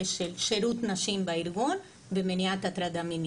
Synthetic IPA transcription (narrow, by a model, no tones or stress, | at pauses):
ʃelʃeɾut̪naʃimbaiɾɡun | bemeniat̪at̪ɾad̪amin